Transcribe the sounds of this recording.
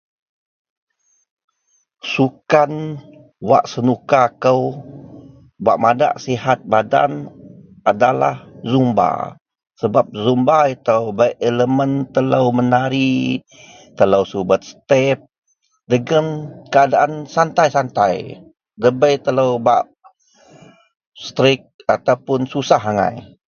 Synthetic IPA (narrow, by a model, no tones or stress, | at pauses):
sukan | wa̰ʔsənukakəw | baʔmada̰ʔsiɦat̪̚bada̰n | adala̰hzumba̰ | səbap̚zumbait̪awbajʔeləmənt̪ələwmənaɾi | t̪ələwsubət̪̚st̪ɛp̚ | dəɡəmkəadaʔansant̪ajsant̪aj | dəbəjt̪ələwbaʔ | st̪ɾɪk̚at̪awpʊnsusaɦaŋa̰j